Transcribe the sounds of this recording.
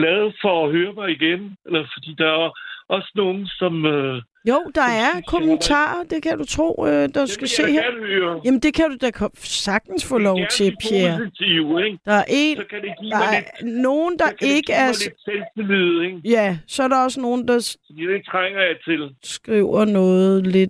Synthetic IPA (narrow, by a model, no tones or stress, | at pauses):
lɛð̩ˠfɒ̽ːɦøːɐbɑɪiɡ̥enelɐfɒ̽d̥ḭːd̥ɑ̈æɐʔɒ̽səno̝ːn̩sɒ̽mø | joʊ̰d̥ɑ̈æɐkʰomənt͡sʰɑ̰̈ːɐd̥e̝kʰæd̥ut͡sʰʁo̝̰ːd̥ɑsɡ̥æse̝̰ːhdøɐjæmnd̥e̝kʰæd̥ud̥ɑkʰsɑ̈ɡ̥̚d̥n̩sfɔ̰ːlɒʊʊt͡sʰe̝pʰjeɐɐent͡sʰɐjueɡ̥d̥ɑ̈æɐʔe̝̰ːnkʰæde̥id̥ɑ̈no̝ːn̩d̥ɑ̈ʔe̝ɡ̥əæɐlselsd̥elið̩ˠeŋjæsɒ̽æɐɾɑ̈ɒ̽s̬əno̝ːn̩d̥ɑ̈fd̥ḭd̥et͡sʰʁaŋ̰ɐjɑ̈ɪt͡sʰe̝lsɡ̥ʁiʊ̰ɐnɔ̽ːð̩ˠle̝d̥